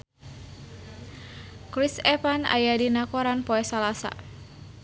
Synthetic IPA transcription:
kɾisɛpana̰jadinakoɾanpoɛsalasa̰

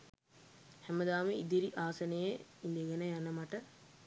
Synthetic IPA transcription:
hæməd̪aːmeid̪iɾiʔaːsɐnejeind̪eɡɛnəjanəmaʈə

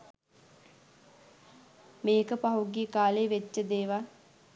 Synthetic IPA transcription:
meːkəpaɦuɡiːkaːleʋet͡ʃːəd̪eːʋa

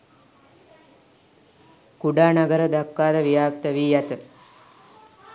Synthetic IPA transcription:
kuɖaːnaɡəɾəd̪akːaːd̪əʋijaːp̚t̪əʋiːjɛt̪ə

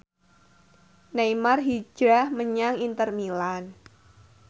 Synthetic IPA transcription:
najmarɦid͡ʒɾahməɲaŋint̪ərmilan

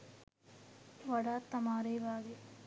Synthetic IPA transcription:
ʋɐɽaːt̪ːɐmaːɾeːʋaːɡe

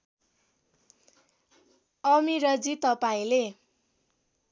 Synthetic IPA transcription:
ʌmiɾʌd͡zit̪ʌpaĩle

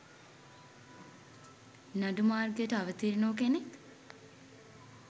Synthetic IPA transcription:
naɖumaːrɡəjəʈəaʋət̪iɾinoːk̬enek

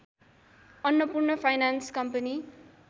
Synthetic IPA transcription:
ʌnːʌpurnʌpʰajnanskʌmpʌni

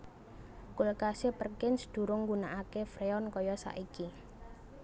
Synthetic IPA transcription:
kulkasepərkɪnsə̥d̪̥ṳɾʊŋɡunaʔakefɾeɔnkɔjɔsa̰ʔiki

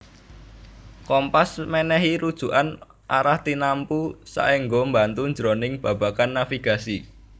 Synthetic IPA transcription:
kɔmpasmɛnɛɦiɾud̥ʒ̥ṳʔan | ʔa̰ɾaht̪inampusa̰ʔeŋɡombant̪uɲd͡ʒɾonɪŋb̥a̤b̥ä̤kanːafiɡ̥asi

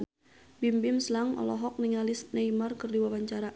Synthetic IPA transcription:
bimbɪmslaŋɔ̰lɔɦɔk̚niŋalɪsnajmarkərdiwawaɲt͡ʃaɾa

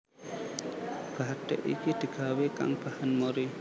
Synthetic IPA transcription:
b̥aʈ̪ɛ̰ʔḭkid̪̥i̤ɡ̥aweka̰ŋb̥ahanmoɾi

